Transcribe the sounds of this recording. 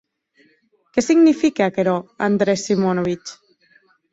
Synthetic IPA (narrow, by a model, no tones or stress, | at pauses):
kɛsiɡnifikeakeɾɔand̪ɾesːimonoβit͡ʃ